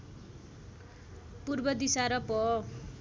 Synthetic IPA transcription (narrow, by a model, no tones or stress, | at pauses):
purbʌd̪isaɾʌpʌ